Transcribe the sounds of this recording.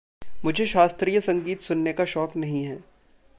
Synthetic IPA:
mʊd͡ʒʱeʃaːst̪ɾijəsɐ̃ŋɡiːt̪sʊnːekaʃɔːknɐɦĩɦɛː

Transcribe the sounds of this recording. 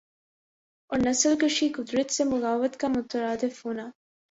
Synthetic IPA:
onasəlkəʃikʊd̪ɾət̪semʊɣaːwət̪kamʊt̪əɾɑːd̪ɪfhuna

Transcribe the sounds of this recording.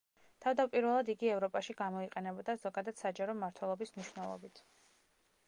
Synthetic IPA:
t̪ʰavd̪apʼiɾvɛlˠad̪iɡiɛvɾɔpʼaʃiɡamɔiqʼɛnɛbɔd̪azɔɡad̪ad̪̥sad͡ʒaɾɔmaɾt̪ʰwɛlˠɔbismniʃwnɛlˠɔ̰bit̪ʰ

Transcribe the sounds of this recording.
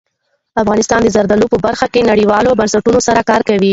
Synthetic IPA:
afɣɑnɪst̪ɑnd̪əzaɾd̪alopəbaɾxakenaɽiwɑlobansaʈunosaɾakɑɾkawi

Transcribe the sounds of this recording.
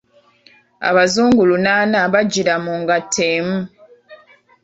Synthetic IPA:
a̰βazuːŋɡulunaːnaβaɟiɾamuŋɡatʰeːmu

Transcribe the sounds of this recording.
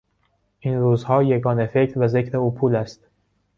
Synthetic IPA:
ʔiːnɾuːzhɒːjeɡɒːnefe̞cʰɾvæze̞cʰɾe̞uːpʰuːlæst̪̚

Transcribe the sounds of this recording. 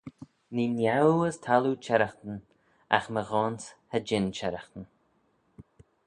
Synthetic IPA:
ninjawəstʰalut͡ʃʰɛɾəxt̪ən | a̰xməɣɔːnshəd͡ʒɪnt͡ʃɛɾaxt̪ən

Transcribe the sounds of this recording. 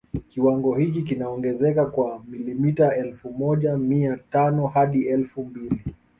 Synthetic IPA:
kiwaŋɡɔhik̬ik̬inaɔŋɡɛzɛkakwamilimitaɛlfumɔʄamiatanɔhaɗiɛlfumbili

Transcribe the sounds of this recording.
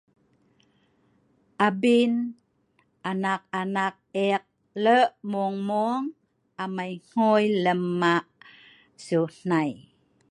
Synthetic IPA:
ʔabin | ʔanak̚anak̚ɛk̚ | ləʔmuŋmuəŋ | amajŋ̥ojləmːaʔ | sun̥aj

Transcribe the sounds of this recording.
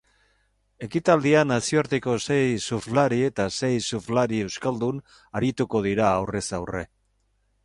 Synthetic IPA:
e̞kit̪ald̪ianasioaɾt̪eko̞se̞jsuflaɾie̞t̪ase̞jsuflaɾie̞wskald̪un | aɾit̪uko̞ð̞iɾaːwre̞sawre̞̰

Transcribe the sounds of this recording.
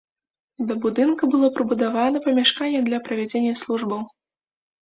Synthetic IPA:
d̪ɐbud̪ɨnkɐbɨlˠɔpɾɨbud̪avanɐpɐmʲaʂkanʲːɛd̪lʲɐpɾɐvʲad͡zʲenʲːɐslˠuʐbɐw

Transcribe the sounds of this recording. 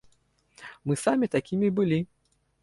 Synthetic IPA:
mɨsamʲit̪akʲimʲibɨlʲi

